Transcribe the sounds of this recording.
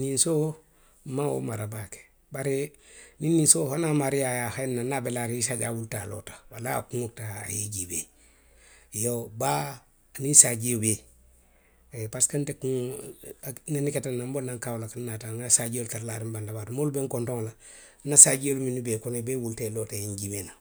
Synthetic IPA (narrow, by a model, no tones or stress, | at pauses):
ninso | mao̰maɾabake̥ | baɾe | ninːinsohanamaɾiajahainːanabelaɾisaɟawultalo̰tḁwala̰kuŋok̚ta̰ːjiɟibḛ | joba | aninsaɟiobe | epaskantekuŋ | niniketanːambonːaŋkawlakanːataŋasaɟioltaɾlaɾimbandabaɾumolbeŋkontoŋla | nasaɟioluminibekonebeːwultelotaiɲɟimena